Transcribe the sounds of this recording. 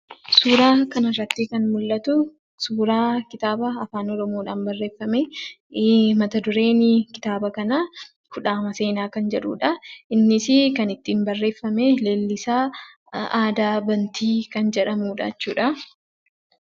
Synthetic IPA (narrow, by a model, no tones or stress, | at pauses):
suːɾaːkɐnɐrːɐt̪ːɪkɐnmʊlːɐt̪ʊ | suːɾaːkɪt̪aːbɐːfaːnɔɾɔmoːᶑaːmbɐrːe̞ːfːɐmeː | mɐt̪ɐd̪ʊɾe̞ːnɪkɪ̥t̪aːbɐkɐnɐ | kʊᶑaːmɐse̞ːnaːkɐnd͡ʒɛᶑṵːᶑɐɪnːɪsɪkɐnɪt̪ːiːmbɐrːe̞ːfːɐmeːle̞ːlːɪsaː | aːd̪aːbɐnt̪ʰiːkɐnd͡ʒɛᶑɐmuːᶑɐ̰t͡ʃːuːᶑɐ